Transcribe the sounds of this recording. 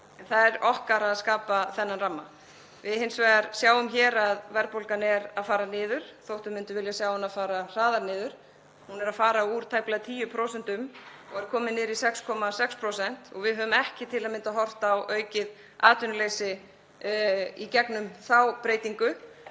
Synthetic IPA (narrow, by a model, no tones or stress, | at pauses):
nθaðɛɾɔhkaɾaðskaːpaθɛnːanramːa̰ | vɪðhejnsvɛːðaɾ̥sjaːwʏmçɛːɾaðvɛɾpowlkanɛɾaðfaːɾanɪːðʏɾ̥θowht̪ʏmːɪnt̪ʏvɪljasjawhɛnaðfaːɾar̥aːðaɾnɪːðʏɾ̥ | hunɛɾaðfaːɾauːɾ̥t̪ʰajplaɣt̪ʰiːjʏpʰɾowsɛn̥t̪ʏmɔɣɛɾkʰɔːmɪnɪːɾisɛkskʰɔmasɛkspʰɾowsɛn̥t̪ɔ̰ɣvɪðɦœːðʏmɛhcɪt̪ʰɪlaðmɪnt̪aɦɔr̥t̪aːwʔœːɥcɪð | aːt̪ʏnʏleːjsɪ | icɛknʏmθawpɾejt̪iŋkʏ